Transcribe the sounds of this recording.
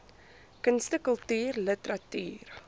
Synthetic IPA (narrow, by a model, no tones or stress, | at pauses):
kənstəkəlˠtyːrlətəɾɐty̰ːr